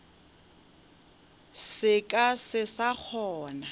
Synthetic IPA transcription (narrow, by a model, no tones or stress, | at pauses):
sɪkʼasɪsak͡xʰɔːna